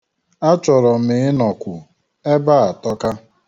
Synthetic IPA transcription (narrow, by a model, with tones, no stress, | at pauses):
a˦t͡ʃɔ˨ɾɔ˨m̩ɪ˨ɪ˦nɔ˨kʷʊ˨ | e˦ba˦a˨tɔ˦ka˦